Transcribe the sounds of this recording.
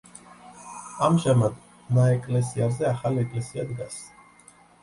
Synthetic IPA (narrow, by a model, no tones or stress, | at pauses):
amʒamad̪ | naɛkʼlɛsiazɛaχaliɛkʼlɛsiad̪ɡas